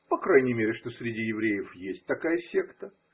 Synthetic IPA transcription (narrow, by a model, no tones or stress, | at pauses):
pɐkɾajnʲɪjmʲeɾʲɪʂt̪o̞sʲɾʲɪdʲijɪvɾʲejɪfjesʲt̚ʲt̪ɐkajəsʲe̞kt̪ə